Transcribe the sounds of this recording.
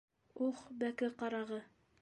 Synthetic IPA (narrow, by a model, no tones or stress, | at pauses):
uχbækɘqɑɾɑʁɤ